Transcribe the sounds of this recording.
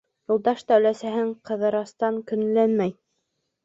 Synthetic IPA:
julˠd̪ɑʃd̪æwlæsæɦɘɴqɤ̆ðɤ̆ɾɑst̪ɑŋkɵ̆n̆lænmæj

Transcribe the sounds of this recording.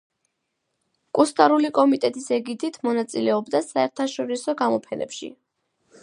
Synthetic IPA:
kʼust̪ʼaɾulikʼɔmit̪ʼɛt̪ʼisɛɡid̪it̪ʰmɔnat̪sʼilɛɔbd̪asaɛɾt̪ʰaʃɔɾisɔɡamɔpʰɛnɛ̰pʃḭ

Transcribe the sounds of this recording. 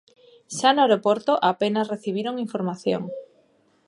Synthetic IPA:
ʃanoaeɾopoɾt̪oʔapenasreθiβ̞iɾoŋiɱfoɾmaθjo̰ŋ

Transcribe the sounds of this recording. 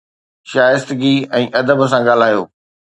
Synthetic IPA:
ʃaːjɪst̪ɪɡiɛ̃ːʔɐd̪əbə̆sãɡaːl̤aːjoː

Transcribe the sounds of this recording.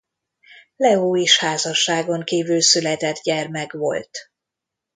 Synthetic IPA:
lɛoːeːʃhaːzɒʃːaːɡo̞ŋkiːvylsylɛt̪ɛd̪ɟɛrmɛɡʋo̞̰lt̪

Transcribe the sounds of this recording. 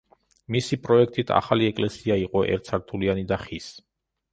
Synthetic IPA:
misipʼɾɔɛkʰt̪ʼit̪ʰa̰χaliɛkʼlɛsiaiqʼɔʔɛ̰ɾt̪sʰaɾt̪ʰulianid̪aχis

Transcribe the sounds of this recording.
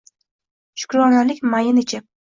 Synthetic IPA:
ʃʊ̥kɾɒnalɪkʲmajɪnɪt͡ʃʰɪ

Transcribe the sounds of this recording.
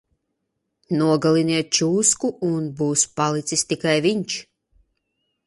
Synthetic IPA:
nuɔɡalˠiniɛt̪̚t͡ʃuːskuunbuːspalˠit̪sist̪ikajviɲʲt͡ʃ

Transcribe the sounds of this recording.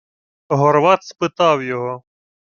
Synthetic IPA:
ɦɔɾʋɑt̪spɪt̪ɑwjɔɦɔ

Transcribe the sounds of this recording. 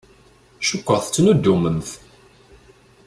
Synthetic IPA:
ʃʊkʷːəʁθt͡sːnud̪ːumənθ

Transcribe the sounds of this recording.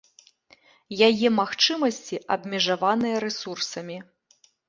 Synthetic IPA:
jajɛmaxt͡ʂɨmɐsʲt͡sʲiʔɐ̰bʲmʲiʐavanɨjɐɾɛsursɐmʲi

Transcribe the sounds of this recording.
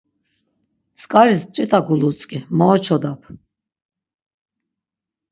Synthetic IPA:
t͡sʼkʼaɾist͡ʃʼit̪ʰʼakulut͡sʼkʼimɔːt͡ʃʰɔd̪apʰ

